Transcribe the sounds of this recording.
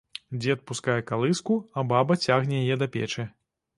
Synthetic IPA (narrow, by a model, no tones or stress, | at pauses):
d͡zʲɛt̪̚puskajɛkalˠɨskuɐbabɐt͡sʲaɣnʲɛjajɛd̪ɐpʲɛ̰t͡ʂɛ